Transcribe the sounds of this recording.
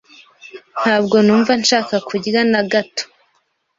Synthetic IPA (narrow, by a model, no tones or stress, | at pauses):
n̥haːbɡo̞nuːɱvanʃaːkakʰuɟiɾanaɡato̥